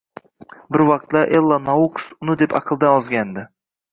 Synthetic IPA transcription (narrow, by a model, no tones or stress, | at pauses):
bɪɾwɑqt̪lˠɑʔelˠːanaukʊ̥sʊnɪd̪epɑqʰɨlˠd̪ɑɒzɡʲand̪ɪ